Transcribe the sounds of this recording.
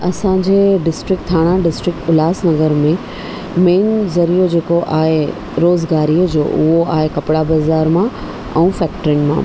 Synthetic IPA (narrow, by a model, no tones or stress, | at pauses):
ɐsãd͡ʑeːɖɪsʈɾɪk̚ʈt̪ʰaːɽ̃aɖɪsʈɾɪk̚ʈʊlaːsnɐɡəɾmẽ | meːnzɐɾijod͡ʑeːkoʔaːɦe | ɾoːzɡaːɾiːd͡ʑo̰ːʔʊ̰ɦoa̰ːɦekɐpɪɽabazaːɾmã | ɛ̰̃ːfɛːkʈɾiʊnɪ̆mã̰ː